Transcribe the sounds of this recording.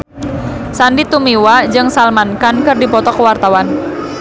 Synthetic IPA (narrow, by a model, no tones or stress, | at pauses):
sandit̪umiwad͡ʒɨŋsalmankankɨrdipɔt̪ɔkəwart̪awan